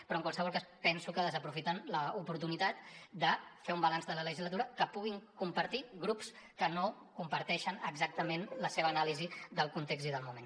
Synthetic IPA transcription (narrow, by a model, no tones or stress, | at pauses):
pɾɔŋkwalˠsəβɔlˠkaspɛnsukəðəzəpɾufit̪ənləupuɾt̪unit̪at̪d̪əfeumbəlanzðələləʒizlət̪uɾəkəpuɣ̞iŋkumpəɾt̪iɣɾupskəno | kumpəɾt̪ɛʃənəɡzak̚t̪əmenləseβəːnalizid̪əlˠkunt̪eɡziðəlˠmumen